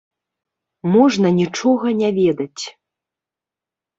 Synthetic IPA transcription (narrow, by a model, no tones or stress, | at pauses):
mɔʐnɐnʲit͡ʂɔɣɐnʲavʲɛd̪ɐt͡sʲ